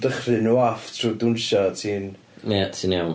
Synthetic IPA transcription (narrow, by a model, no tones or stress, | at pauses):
dəχrɨnuːaftʰruːdʊnʃatʰiːn | mɛtʰinawn